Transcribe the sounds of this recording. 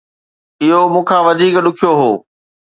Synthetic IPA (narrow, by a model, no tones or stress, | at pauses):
ɪɦomũːkʰãːʋɐd̪ʱiːkɗʊkʰijoɦoː